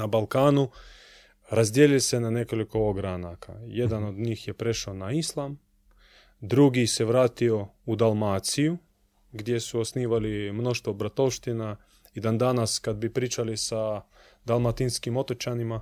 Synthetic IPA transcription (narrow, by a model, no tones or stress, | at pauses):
nabalˠkaːnu | ɾazd̪jelilse̞nane̞ko̞liko̞oɡɾanaka̰je̞d̪ano̞d̪ɲiːxjepɾe̞ʃaonaislˠam | d̪ɾuɡise̞ʋɾaːt̪io̞ud̪alˠmat̪siju | ɡd̪je̞suosniːʋalimno̞ʃt̪ʋobɾat̪o̞wʃt̪ina | id̪and̪anaskad̪bipɾiːt͡ʃalisa | d̪alˠmat̪inskimo̞t̪ot͡ʃanima